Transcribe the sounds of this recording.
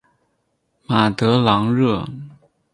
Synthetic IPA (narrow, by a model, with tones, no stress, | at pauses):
ma˨˩t̪ɤ˧˥lɑ˧˥ŋɻɤ˥˩